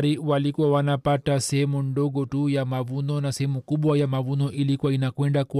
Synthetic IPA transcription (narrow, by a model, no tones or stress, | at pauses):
ɾiwalikuwawanapatasɛhɛmundɔɠɔtujamavunɔnasɛhɛmukuɓwajamavunɔʔilikuainakwɛndaku